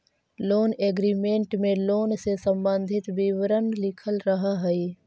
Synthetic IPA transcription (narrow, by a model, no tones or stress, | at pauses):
loːneːɡɾiːmẽɳʈmẽloːnsesə̃mbə̃nd̪ʱɪt̪biʋɾənlɪkʰəlɾəɦaɦɛiː